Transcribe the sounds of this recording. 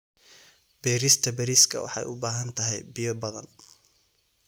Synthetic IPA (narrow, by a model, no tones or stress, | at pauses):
b̥ɛːɾist̪ʰɐbɛɾiskʰɐ̰wɑ̰ħɑ̰jʔʊ̰baːɦɐnt̪ʰɐɦɛjbɪjɔbɐðɐ̰n